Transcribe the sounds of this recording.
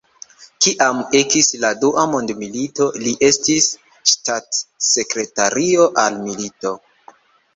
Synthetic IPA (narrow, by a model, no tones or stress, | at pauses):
kiʔamekisladuʔamo̞ndmilito̞liʔe̞stis | ʃtatse̞kɾe̞taɾio̞ʔalmilito̞